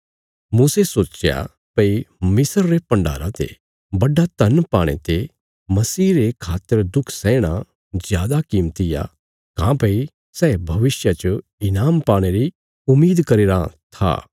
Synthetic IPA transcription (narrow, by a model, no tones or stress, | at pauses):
muːsesoːt͡ʃja̰ | pɐimɪsəɾːepɐ̃ɳɖa̰ːɾãt̪ḛ | bɐɖat̪ɐnpaːɽ̃ḛt̪e | mɐsiːɾekʰaːt̪ːəɾd̪ʊkʰsɛ̃ːɽ̃a | zjaːd̪akiːmt̪ija̰ | kãːpɐi | sɛːbʱɐʋɪsjat͡ʃə | ɪnaːmpaːɽ̃eɾi | ʊmːiːd̪kɐɾeːɾat̪ʰa̰ː